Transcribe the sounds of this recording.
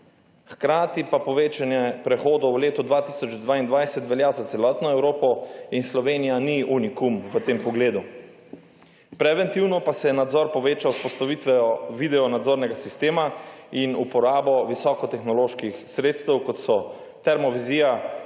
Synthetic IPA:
xkɾaːt̪ipapɔʋeːt͡ʃanjɛpɾɛxoːd̪ɔwwleːt̪ɔd̪ʋat̪isɔt͡ʃd̪ʋaːind̪ʋajsɛt̪ʋɛljazat̪sɛlɔːt̪nɔɛwɾoːpɔinslɔʋeːnijaniunikumʋət̪eːmpɔɡleːd̪u | pɾɛʋɛnt̪iwnɔpasɛnad̪zɔɾpɔʋeːt͡ʃauspɔst̪aʋit̪ʋɛɔʋid̪ɛɔnad̪zoːɾnɛɡasist̪eːmainupɔɾaːbɔʋisɔkɔt̪ɛxnɔloːʃkixsɾeːt̪st̪ɛwkɔt̪sɔ | t̪ɛɾmɔʋiziːja

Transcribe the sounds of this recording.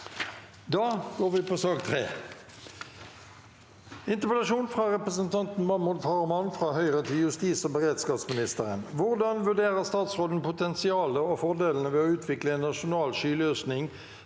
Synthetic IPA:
d̪ɑːɡ̥oːʁʋɪpʰosɑːɡt̪ʰʁḛː | ɪnt̪əpəd̪ɑʃuːnfʁɑʁɛpʁəs̬ənt̪ʰɑnt̪n̩mɑmʊlfɑːʁmɑnfʁɑːhœʏʁət̪ʰɪljʉst̪iːsobəʁeːd̪skɑːpsmɪnɪst̪əʁənʋʊʁd̪ɑnʋʉɖeːʁəʁst̪ɑːt̪sʁoːd̪n̩pʰʊt̪ʰɛnsɪɑːləofɔʁd̪eːln̩əʋeːoʉːt̪ʰʋɪkləeːnːɑʂʊnɑːlʃyːløːsnɪŋ

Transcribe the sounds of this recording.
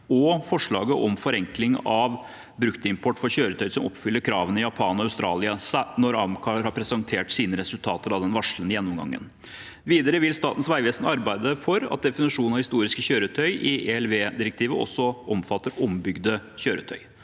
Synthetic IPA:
ɔfɔʂɭɑ̰ːɡəʔɔmfɔɾɛŋklɪŋɑʋ | bɾʉkt̪əɪmpʰɔʈːfɔɾçøːɾət̪ʰœʏsɔmɔ̰pːfʏlːəɾkʰɾɑːʋənɪjɑpʰɑːnɔɑʉst̪ɾɑ̰ːlɪɑsnɔɾɑmkʰɑhɑɾpʰɾɛsɑnt̪ʰeːʈsiːnəɾɛsʉlt̪ʰɑːt̪əɾɑd̪ɛnʋɑʂlənɪjɛnːɔmɡɑ̰ŋːə̰n | ʋiːd̪əɾəʋɪlst̪ɑːt̪n̩sʋæɪʋeːsnɑɾbæɪd̪əfɔɾɑ̰t̪̚d̪ɛfɪnɪʂuːnnɑʋhɪst̪uːɾɪskəçøːɾət̪ʰœʏʔɪeɛlʋeːd̪ɪɾɛk̚t̪ʰiːʋəɔ̰sːɔʔɔmfɑt̪ːəɾɔmbʏɡd̪əçøːɾə̰t̪ʰœʏ

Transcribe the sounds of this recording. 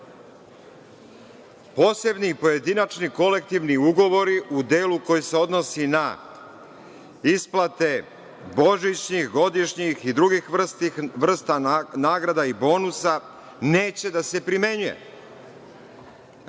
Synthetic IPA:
po̞ːse̞bnipo̞je̞d̪inat͡ʃniko̞le̞k̚t̪iʋniuɡo̞ʋo̞ɾiʔud̪e̞ːluko̞jise̞o̞d̪no̞sina | isplat̪e̞ | bo̞ʒit͡ɕɲixɡo̞d̪iʃɲixid̪ɾuɡixʋrʋr̩st̪anaːɡɾad̪aibo̞ːnusa | ne̞ːt͡ɕe̞d̪ase̞pɾime̞ɲuje̞̰

